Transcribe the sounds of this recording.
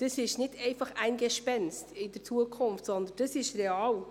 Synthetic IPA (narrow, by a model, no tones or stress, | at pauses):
d̥əsɪʃnɪdɛɪfɑχæɪnɡɛʃpɛnstɪd̥əɾt͡suəkʰʊnftsɔnd̪ənnd̥əsɪʃreɑːl